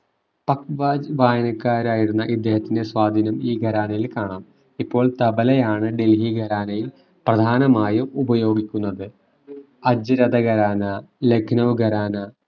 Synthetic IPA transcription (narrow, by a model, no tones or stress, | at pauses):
pɐkʋaːd͡ʑʋaːjɐnɐkːaːɾaːjiɽunːɐʔid̪ːeːhɐt̪ːinde̞swaːd̪ʱinɐmiːɡʱɐɾaːnɐjilkaːɳaːm | ipːo̞ːɭt̪ɐbɐlɐjaːɳɨɖe̞lɦiɡʱɐɾaːnɐjil | prɐd̪ʱaːnɐmaːjuubɐjo̞ːɡikʲːunːɐðɨ | ɐd͡ʑɨɾɐd̪ɐɡɐɾaːnɐlekʰnɐʋɡʱɐɾaːnɐ